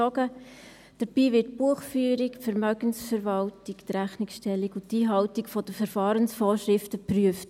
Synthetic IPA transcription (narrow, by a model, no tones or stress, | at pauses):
ɔɡə | d̥əɾb̥iːʋɪtpuəχfyːɾikfəɾmœɡənsfəɾʋɑltikt̪ɾæχniksʃtɛlːiɡʊtːiːɦɑwtikfɔd̥əfəɾfɑːɾənsfɔːɾʃɾɪftəpryəft